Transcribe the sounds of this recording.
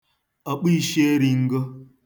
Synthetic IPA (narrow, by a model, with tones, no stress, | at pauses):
a˨k͡pi˦ʃe˦e˦ɾi˨ŋ̩˦ɡo˦